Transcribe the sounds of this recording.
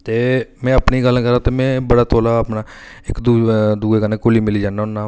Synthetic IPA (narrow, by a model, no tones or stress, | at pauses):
t̪eːmɛ̃ːəpniːɡəlkəɾãːt̪eːmɛ̃ːbəɽaːt̪ʰoːlaːəpnaː | ɪkd̪ud̪uːɡeːkaneːkʊliːmɪliːd͡ʒaːnːaːʊnːãː